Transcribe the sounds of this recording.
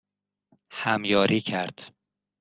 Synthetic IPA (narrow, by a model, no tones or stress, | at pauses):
hæmjɒːɾʔiːcʰæɾd̪̥